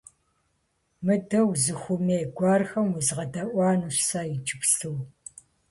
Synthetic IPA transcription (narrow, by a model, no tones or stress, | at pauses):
mɨdɐwzɨxʷʊmeːɡʷɑːrxɐmwʊzʁɐdɐʔʷɑːnuːɕsaːjɪd͡ʒʼɪpɬɨw